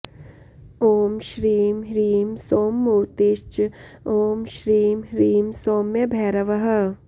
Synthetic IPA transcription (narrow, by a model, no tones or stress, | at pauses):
oːmʃɾiːmɾiːmsoːmːuːɾt̪ɪʃt͡ʃ | oːmʃɾiːmɾiːmsoːmːebʱɛːɾɐʋɐɦɐ